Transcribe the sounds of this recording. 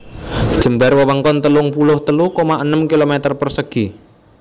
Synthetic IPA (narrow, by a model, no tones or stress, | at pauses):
dd̥ʒ̥ə̤mbarwəwəŋkɔnt̪əlʊŋpulʊht̪əlukomaʔənəmkilomɛt̪ərpərsəɡ̥i